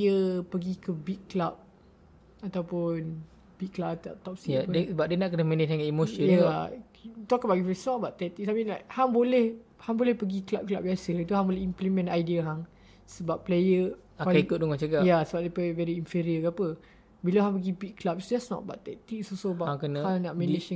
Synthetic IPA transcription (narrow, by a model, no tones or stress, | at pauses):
jəpəɡikəbikkːlap̚ | at̪awpʊn | b̥ikːlap̚at̪a̰t̪ɔp̚siasəbap̚diənaʔkənəhmə̃nət̪aŋaimoʃəja | t̪ɔkəbaʔɡisnɔʔ̚baʔt̪ɛk̚t̪ik̚sapinahaŋbolɛhhaŋbolɛhpəɡiklap̚klap̚jasəlat̪uɦãŋbolɛhimplimɛ̃najdiəɦaŋ | səbappːlejə | aaaikʊt̪̚doŋãŋt͡ʃaɡajasəbap̚dɛpəvɛɾiinfiɾiəkapə | biloɦãŋpəɡibikkːlap̚sdɛsnɔ̰t̚ba̰ʔt̪ɛk̚t̪ik̚sosobaaŋkənahaŋnaʔmɛ̃nid͡ʒ